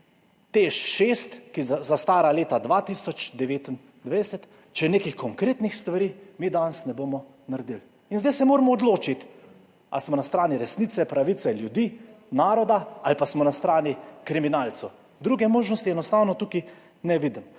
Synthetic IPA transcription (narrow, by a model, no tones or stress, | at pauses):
t̪eʃʃest̪kizast̪aːɾaleːt̪ad̪ʋat̪isɔt͡ʃd̪ɛʋeːt̪in | d̪ʋɛjsɛt̪ | t͡ʃɛneːkixkɔŋkɾeːt̪nixst̪ʋaɾiːmiːd̪ansnɛboːmɔ | naɾd̪il | inzd̪ajsɛmoːɾmɔːd̪loːt͡ʃit̪ | a̰smɔnast̪ɾaːniɾɛsnit̪sɛpɾaʋit̪sɛljud̪iː | naːɾɔd̪aalpasmɔnast̪ɾaːnikɾiminaːlsu | d̪ɾuɡɛmoːʒnɔst̪iɛnɔst̪aːwnɔt̪uki | nɛʋiːd̪m